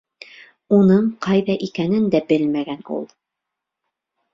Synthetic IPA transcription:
unɤɴqɑjðɑʔikænɘnd̪æbɘlmæɡænṵlˠ

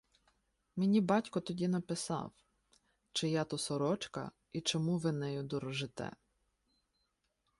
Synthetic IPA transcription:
mɪnʲibɑtʲkɔt̪ɔdʲinɐpɪsɑ̰w | t͡ʃɪjɑt̪ʊsɔɾɔt͡ʃkɐ̰ | it͡ʃɔmuʋɪnɛjʊd̪ɔɾɔʒɪt̪ɛ̰

